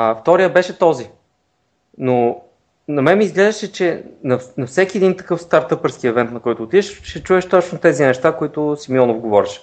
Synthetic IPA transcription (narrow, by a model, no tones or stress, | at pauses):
ft̪ɔɾijəbɛʃɛt̪ɔzi | no | nɐmɛmiːzɡlɛʒɐʃɛt͡ʃɛnɐnɐfsɛk̟iɛd̪int̪ɐ̥kɤfst̪aɾt̪ɤpəɾskiɛvɛnt̪nɐkɔjt̪ʊːt̪id̪ɛʃʃɛt͡ʃuɛʃt̪ɔt͡ʃnot̪ɛzinɛʃt̪akoit̪ʊsimiɔnofɡovɔɾiʃɛ̥